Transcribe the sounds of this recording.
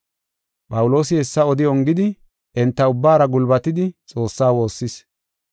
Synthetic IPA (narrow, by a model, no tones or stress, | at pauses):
pʼɐwʊlo̞ːsɪhɛsːɐɔd̪ɪɔŋɡɪd̪ɪ | ʔɛnt̪ːɐʊbːaːɾɐɡʊlbɐt̪ɪd̪ɪt͡sʼo̞ːsːaːwo̞ːsːɪs